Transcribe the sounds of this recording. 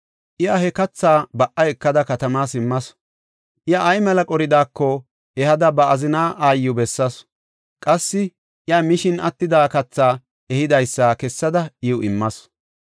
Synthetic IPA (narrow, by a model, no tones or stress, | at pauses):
ʔɪjɐhɛkɐt͡sːaːbɐʔɐjɛkːɐd̪ɐkɐt̪ɐmaːsɪmːɐs | ʔɪjɐʔːjmɛlɐkʼɔɾɪd̪aːkːɔ | ɛhɐd̪ɐbɐɐzɪnaːʔaːjːʊbɛsːɐs | kʼɐsːɪ | ʔɪjamɪʃɪnɐt̪ːɪd̪aːkɐt͡sːaː | ɛhɪd̪ɐjsːakɛsːɐd̪ɐɪʊɪmːɐs